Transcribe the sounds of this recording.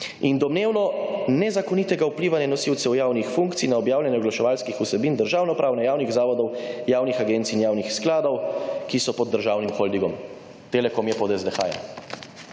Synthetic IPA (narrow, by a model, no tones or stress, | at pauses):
ind̪ɔmneːwnɔnɛzakɔnit̪ɛɡaupliːʋanjɛnɔsiwt̪sɛwjaːwnixfuŋkt̪sinaɔbjaːwljɛnjɛɔɡlaʃɛʋaːlskixusɛbind̪əɾʒaːwnɔpɾaːwnɛjaːwniɣzaːʋɔd̪ɔwjaːwnixaɡent̪siːnjaːwnixsklaːd̪ɔwkisɔpɔd̪ːəɾʒaːwnimxɔld̪iɡɔm | t̪eːlɛkɔmjɛpɔd̪ɛzd̪ɛxa̰ːjɛ̰